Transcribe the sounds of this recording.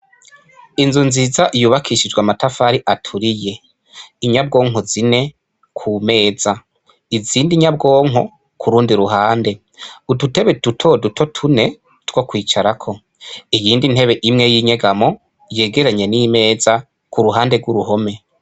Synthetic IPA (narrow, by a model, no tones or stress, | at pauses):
inzunzizaʔijuːβakʰiʃid͡ʒɡwamatafaːɾiʔatʰuɾije̞ | iɲab̚ɡo̞ːŋɦozine̞ | kʰume̞ːza | iziːndiɲab̚ɡo̞ːŋɦo | kʰuɾuːndiɾuɦaːnde̞ | udute̞βedutʰo̞dutʰo̞tʰune̞ | tɡ̥wo̞kwiːt͡ʃaɾakʰo̞ | ijiːndin̥he̞βe̞ʔimŋe̞jiːɲe̞ɡamo̞ | je̞ːɡe̞ɾaɲe̞nime̞ːza | kuɾuɦaːnde̞ɡwuɾuɦo̞me̞